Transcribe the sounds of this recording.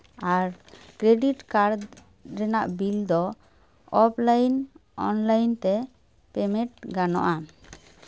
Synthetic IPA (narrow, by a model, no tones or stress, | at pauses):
aɾkɾeɖiʈkaɾd̪ | ɾɛnaʔbild̪ɔ | ɔplajnɔnlajnt̪ɛ | pɛmɛ̃ʈ̚ɡanɔ̰ʔa